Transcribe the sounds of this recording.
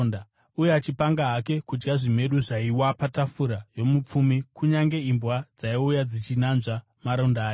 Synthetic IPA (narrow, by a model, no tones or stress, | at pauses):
nda | ujat͡ʃipaŋɡaɦake̞kud͡ʒɡaʐim̤e̞ɗuʐaiwapatafuɾajo̞mup͡fumikuɲaŋɡe̞imbwad͡zaiujad͡zit͡ʃinanʐa | maɾo̞ndaaːj